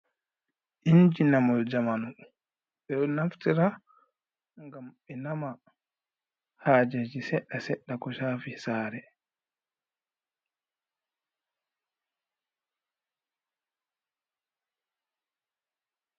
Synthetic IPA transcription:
ʔiɲd͡ʒinamɔld͡ʒamanu | ɓɛnaftiɾa | ŋɡamɓɛnama | haːd͡ʒɛd͡ʒisɛɗːasɛɗːakɔʃaːfisaːɾɛ

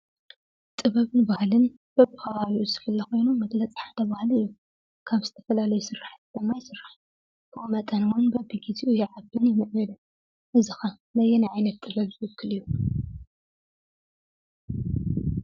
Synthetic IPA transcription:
t̪ʼɨβɐβɨnbahlɨn | b̥ɐbɨxɐβaβiʔuzɨ̥fɨlːɐxo̞jnumɐɡlɐt͡sʼħad̪ɐβahlɨjːu | kʰaβzɨt̪ʰɐ̥fɐlalɐjusɨrːaħat̪d̪̥ɐmːajsɨrːaħ | kʰɨʔumɐt̪ʼɐnwʊnbɐbiɡizʰiʔujɪʕabɨnjɪmɨʔnɨlɨ | ʔɨzɨxɐ | lɐjɛnajʕajnɐt̪ːʼɨβɐβzɨwɨkʰːɨlɨjːu

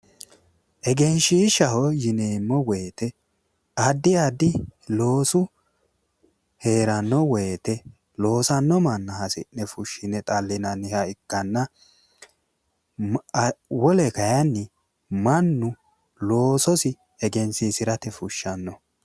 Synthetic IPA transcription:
ʔɛɡɛnʃiːʃɐɦɔjɪneːmːɔwɛjt̪ɛ | ɐd̪ːɪjad̪ɪlo̞ːsʊ | he̞ːɾɐnːɔwɔjt̪ɛ | lo̞ːsɐnːɔmɐnːɐhɐsɪ̰nːɛfʊʃːɪnɛt̪ʼɐlːɪnɐnːɪhɐɪkːɐnːɐ | wɔlɛkɐjɐnːɪ | mɐnːʊ | lo̞ːsɔsɪ | ɛɡɛnsisɪɾɐt̪ɛfʊʃːɐnːɔ

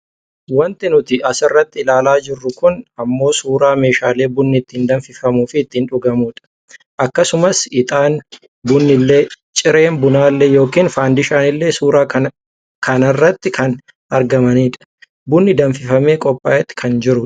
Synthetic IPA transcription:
wɐnt̪ɪnʊt̪ɪʔɐsɪrːɐt̪ːɪɪlaːlaːd͡ʒɪrːʊkʊnɐmːo̞ːsuːɾaːme̞ːʃaːle̞ːbʊnːɪɪt̪ːiːnd̪ɐɱfɪfɐmuːfɪːt̪ːiːnᶑʊɡɐmuːᶑɐ̥ | ʔɐkːɐsʊmɐsɪt̪ʼaːn | bʊnːɪlːe̞ː | t͡ʃʼɪɾe̞ːmbʊnaːlːɛjo̞ːkiːnfaːnd̪ɪʃaːnɪlːe̞ːsuːɾaː | kɐnɐrːɐt̪ːɪkʰɐn | ɐɾɡɐmɐniːᶑɐ̥ | bʊnːɪd̪ɐnfɪfɐme̞ːkʼɔpʼːaːʔɛt̪ːɪ̥kʰɐnd͡ʒɪɾʊ

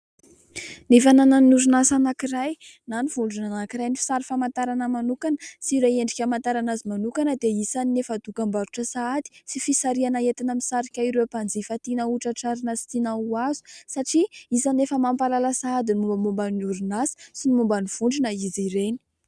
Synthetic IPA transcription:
nefanananuɾunasanakiraj | naniv̥uɳɖ͡ʐunanakiɾajnifi̥saɾifamant̪aɾanəmanukanəsiɾejeɳɖ͡ʐikʲamant̪aɾanazimanukanəd̪eisaninefad̪ukambaɾuʈ͡ʂəsaad̪i̥sifisaɾianaet̪inəmisaɾikʲaiɾewapand͡zifat̪inəuʈ͡ʂaʈ͡ʂaɾinəsi̥t̪inauazu̥saʈ͡ʂiizanefəmampalalasaad̪inumbəmumbanuɾunasə̥sinimumbaniv̥uɳɖ͡ʐunəiziɾeni̥

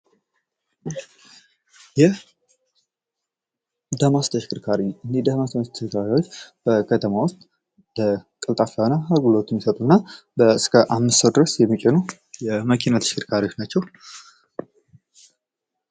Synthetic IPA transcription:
jɛ | d̪amast̪ʰəʃɪ̥kʰɨɾkʰaɾiɨnːed̪amast̪ʰst̪ʰːəʃkaɾiwot͡ʃːb̥əkʰət̪ʰəmawʊst̪ʼ | b̪̥əkʼɨlt̪ʼafanahaɡulot̪ːnmːisət̪ʼunːa | bəɨskʰəʔamːɨst̪owd̪ɨɾəsjɛmːikʼɛnu | jɛməkʰinat̪ʰə̥ʃkʰɨɾkʰaɾiwot͡ʃnat͡ʃːɛw

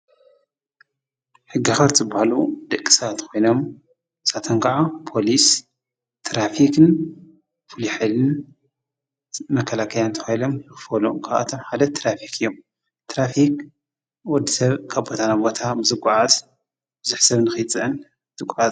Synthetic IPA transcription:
ħɨɡːaxɐɾt̪zɨbahalud̪̥ɐkʼːi̥sɐat̪kʰo̞jno̞m | sat̪ʰɐŋkaʕapʰo̞lis | t̪ʰɾafikʰɨn | fɨlħajlɨn | mɐkʰɐlakʰɐljant̪ʰɐ̥xajlo̞mnɨxɨfɐlukʰaβʔa̰t̪ʰomħalɐt̪ːɾafikʰɨjːom | t̪ɾafik | wɔd̪isɐβkʰaβbo̞t̪ʰanabo̞t̪ʰabɨzɨkʷʼːʊʕaz | b̥ɨzuħsɐβnɨxɨt͡sʼɨʔɨn | t̪ʼɨkʷʼʕaz

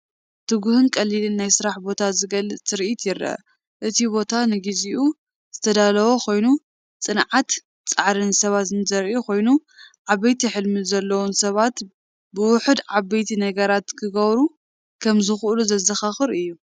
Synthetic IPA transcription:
t̪ʰɨɡuhɨnkʼɐlːilɨnːajsɨɾaħbo̞t̪ʰazɨɡɐlɨt͡sɨɾʔit̪ʰjɪɾɐ̰ | ʔɨt̪ʰibo̞t̪ʰanɨɡiziʔu | z̥ɨt̪ʰɐd̪alɐwo̞kʰo̞jnu | t͡sʼɨnʕat̪ | t͡sʼaʕɾɨnsɐβat̪zɨnzɐɾʔukʰo̞jnuʕaβɐjt̪ʰiħɨlmɨzɐlːɐwunsɐβat̪ | bɨwʊħɨd̪ʕaβejt̪ʰinɐɡɐɾat̪kʰɨɡɐβɾu | kʰɐmzɨxʔuluzɐzɐxaxɨɾɨjːu

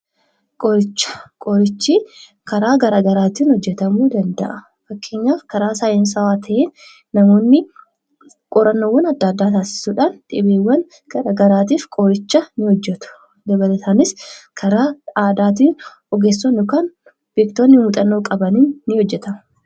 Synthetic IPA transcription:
kʼɔɾɪt͡ʃːɐ̥kʼoːɾɪt͡ʃːiː | kɐɾaːɡɐɾaːɡɐɾaːt̪iːnhɔd͡ʒːɛt̪ɐmuːd̪ɐnd̪ɐ̰ʔɐ | fɐkːe̞ːɲːaːfkɐɾaːsaːjɛnsɐwaːt̪ʰɐʔeːnː | ɐmoːnːɪ | kʼɔɾɐnːoːwːɐnɐd̪ːɐd̪ːaːt̪aːsɪ̥suːᶑaːnt̪ʼɪbeːwːɐn | ɡ̥ɐɾaːɡɐɾaːt̪̬iːfkʼoːɾɪt͡ʃːɐnɪhɔd͡ʒːɛt̪ʊ̥ | d̪ɐbɐlɐt̪ʰaːnɪskʰɐɾaːaːd̪aːt̪̬iːn | ɔɡeːsːonːokaːn | bikt̪oːnːɪmuːt̪ʼɐnːo̞ːkʼɐbɐniːnːɪhɔd͡ʒːɛt̪ɐmɐ

